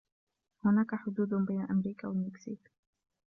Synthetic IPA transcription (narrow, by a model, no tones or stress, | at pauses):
hʊnaːkaħʊd̪uːd̪bajnaʔamɾiːkawalmɪksiːk